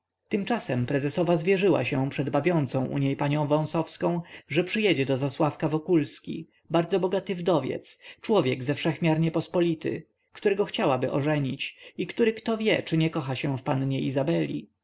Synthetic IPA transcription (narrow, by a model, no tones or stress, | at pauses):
t̪ɘmt͡ʂasɛmpɾɛzɛsɔvazvʲjɛʐɘwa̰ɕɛpʂɛd̪bavʲjɔnt̪sɔ̃w̃ʔṵɲejpaɲɔ̃w̃vɔ̃w̃sɔfskɔ̃w̃ʐɛpʂɘjɛd͡ʑɛd̪ɔzaswafkavɔkulskʲḭ | baɾd̪zɔbɔɡat̪ɘvd̪ɔvʲjɛ̰t̪st͡ʂwɔvʲjɛɡzɛfʂɛxmʲjaɾɲɛpɔspɔlʲit̪ɘ̰ | kt̪uɾɛɡɔxt͡ɕawabɘʔɔ̰ʐɛɲit͡ɕikt̪uɾɘkt̪ɔvʲjɛt͡ʂɘɲɛkɔxaɕɛfpanɲɛizabɛlʲḭ